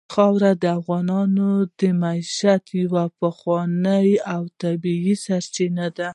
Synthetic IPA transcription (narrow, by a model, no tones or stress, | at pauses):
xɑwɾad̪əafɣɑnɑnod̪əmaiʃat̪jawapaxwɑnəjawt̪abiisaɾt͡ʃinad̪a